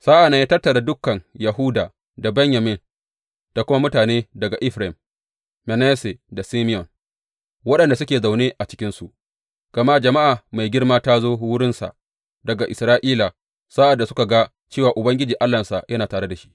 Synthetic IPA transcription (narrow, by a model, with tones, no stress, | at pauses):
saː˦ʔa˨nːɐ˦ɲjaː˦tɐ˦rtːɐ˨ɽa˨dʊ˦kːɐ˨ŋjɐ˨ɦuː˦daː˨ | da˨bɛ˦ɲja˨mɪ˦n | d̥a˨kʷʊ˦ma˦mʊ˦taː˨neː˦dɐ˨ɡa˨ʔɪ˦ɸɾɛ˨mː | ɛ˨nɛː˦se˨da˨siː˦mɪ˦jɔ˨n | wɐ˦ɗɐ˨nda˨s̬ʊ˦kʲeː˨za˨wneː˦ʔa˨t͡ʃɪ˦kʲɪ˦nsu˨ʔ | ɡ̥ɐ˨ma˦˨d͡ʒɐ˨ma˦ʔa˨ma˨jɡʲɪ˦rmaː˦taː˦zoː˦wʊ˦ɽɪ˦nsa̰˨ʔ | dɐ˨ɡa˨ʔɪ˨sɾaː˦ʔiː˦la˨ | sa˦ʔa˨dːa˨sʊ̥˦ka˨ɡa˦ | t͡ʃeː˦˨waː˨ʔʊ˨bɐ˦ŋɡʲɪ˦d͡ʒiː˨ʔa˦lːa˨nsa˨jʔɐ˦naː˨taː˨ɽe˦da˨ʃi̥˦ʔ